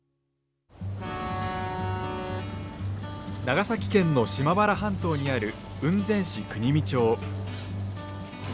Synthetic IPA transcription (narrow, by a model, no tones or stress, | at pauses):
naɡasakʲi̥kẽ̞nːo̞ɕimabaɾaɦãnt̪o̞ːɲ̟iaɾɯ̟ | ɯ̟̃nd͡zẽ̞ɰ̃ɕikɯ̟ɲ̟imʲit͡ɕo̞ː